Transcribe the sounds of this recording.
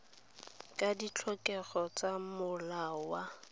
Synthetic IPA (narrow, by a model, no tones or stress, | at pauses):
kʼadit͡ɬʰɔkʼɛɣɔt͡samʊlawa